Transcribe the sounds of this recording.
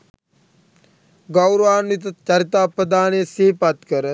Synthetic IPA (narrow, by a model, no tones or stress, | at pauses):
ɡɐwɾəʋaːnit̪ɐt͡ʃɐɾit̪aːpɾəd̪aːnesiːpɐt̪kəɾə